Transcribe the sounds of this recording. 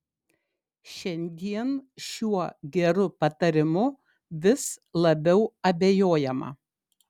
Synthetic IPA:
ʃʲɛnʲd̪ʲiɛnʃʲuɔɡʲɛɾʊpɐt̪ɐɾʲɪmʊ | ʋʲɪslˠɐbʲɛʊɐbʲejoːjɛmɐ̰

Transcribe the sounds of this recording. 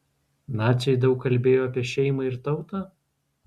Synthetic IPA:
nɑːt͡ʃʲɛɪd̪ɐʊkːɐlʲbʲeːjoːɐpʲiɛʃʲɛɪmɐɪɾt̪ɒʊt̪ɑː

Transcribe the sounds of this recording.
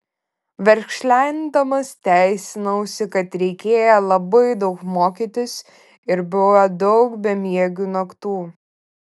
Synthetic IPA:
ʋʲɛɾʲkʃʲlʲænʲd̪ɐmɐst̪ʲæˑɪsʲɪnɐʊsʲɪkɐt̪ɾʲɛɪkʲeːjɛlˠɐbɐɪd̪ɒʊkmoːkʲiːt̪ʲɪs | ɪɾbʊʋɐd̪ɔʊkbʲɛmʲiɛɡʲunɐkt̪uː

